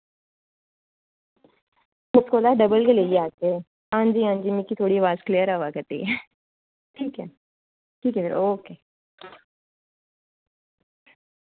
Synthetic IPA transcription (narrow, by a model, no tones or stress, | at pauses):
mʊtkoːlaːɖəbəlɡeleːiaːt̪eː | ãːnd͡ʒiãːnd͡ʒimikit̪ʰoːɽiəʋaːzklijəɾaʋaːkət̪ḭ | ʈʰiːkɛ | ʈʰiːkɛfeɾoːkeː